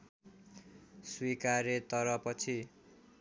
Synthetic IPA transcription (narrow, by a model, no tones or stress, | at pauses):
swikaɾet̪ʌɾʌpʌt͡sʰi